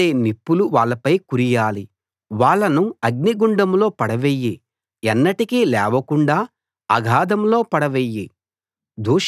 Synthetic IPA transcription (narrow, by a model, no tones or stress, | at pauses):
eːnipːuluʋaːɭːɐpɐjkuɾijaːli | ʋaːɭːɐnuɐɡ̚niɡuɳɖɐmlo̞ːpɐɽɐʋeːjːi | ɛnːɐʈikilɛːʋɐkuɳɖaː | ɐ̰ɡʱaːd̪ɐmlo̞ːpɐɽɐʋeːjːi | d̪ʱuːʂ